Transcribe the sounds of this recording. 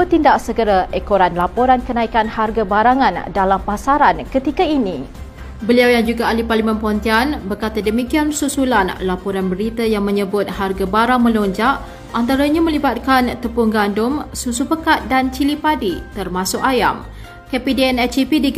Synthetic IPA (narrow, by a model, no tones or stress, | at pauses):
ət̪indaʔsəɡəɾaʔekoɾanlapoɾankənãikanharɡabaɾaŋãndalampasaɾankət̪ikainĩ | bəliawjaŋd͡ʒuɡaːliparlimãnpəɦont̪ianbərkat̪adəmĩkiansusulanlapoɾanbəɾit̪ajaŋmə̃ɲəbʊt̪̚harɡabaɾaŋmə̃loɲd͡ʒaʔ | ʔant̪aɾaɲamə̃libat̪̚kant̪əpuŋɡandʊmsusupəkat̪̚dant͡ʃilipadit̪ərmãsʊkaja̰m | kepideɛnɛt͡ʃipidiɡ